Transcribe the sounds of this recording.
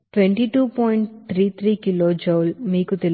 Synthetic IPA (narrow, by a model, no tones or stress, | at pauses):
ʈʋeɳʈiːʈuːpoːjiɳʈt̪ʰɾiːt̪ʰɾiːkiloːd͡ʒoːlmiːkut̪el